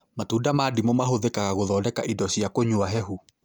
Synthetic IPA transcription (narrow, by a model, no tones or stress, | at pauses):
matuːdamadimomaɦoðekaɣaɣoðɔːdɛkaʔidɔɕiakoɲuaɦɛhu